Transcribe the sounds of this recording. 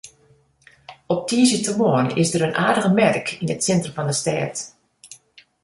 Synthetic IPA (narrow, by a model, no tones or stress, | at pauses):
ɔp̚tʰiəzətəmoənɪsdərənʔaːdəɣəmɛrkinətsɛntrəmvɑndəstɛːt